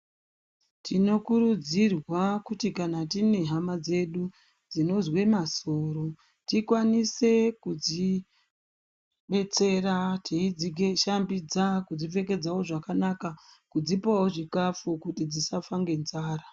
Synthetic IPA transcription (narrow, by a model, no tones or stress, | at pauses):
tʰino̞kuɾud͡zirwakutikanatine̞ɦamad͡ze̞ɗu | d͡zino̞zwe̞maso̞ːɾo̞ | tikwanise̞kud͡zi | ɓe̞t͡se̞ratʰiid͡zieʃambid͡zakud͡zife̞ke̞d͡zawo̞ʐakanakakud͡zipawoʐikafukutid͡zisafaŋɡe̞nzaːɾa